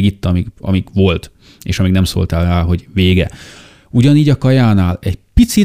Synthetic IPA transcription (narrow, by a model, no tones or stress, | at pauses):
ɡit̪ːɒmiɡɒ̰miɡʋo̞lt̪ | ḛːʃɒmiɡnɛmso̰lt̪aːlraːɦo̞ɟʋeːɡɛ̰ | uɟɒniːɟɒkɒjaːnaːlɛɟpit̪si